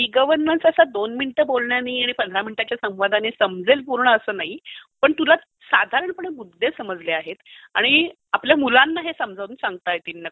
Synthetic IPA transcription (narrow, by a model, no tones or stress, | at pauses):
iɡəʋəɾnənsəsad̪onminiʈəbolɳjaniːaɽ̃ipənd̪ʱɾaminiʈat͡ɕjasə̃w̃ʋad̪ʱanesəmd͡zelpuɾɳəəsəːnaɦipəɳt̪ula | sad̪ʱaɾəɳpəɽəmud̪ːesəməd͡zleaɦet̪a̰ɽ̃i | apljamulanːaɦesəmd͡zʱaʋuːnsãŋɡ̚t̪ajet̪iːlnək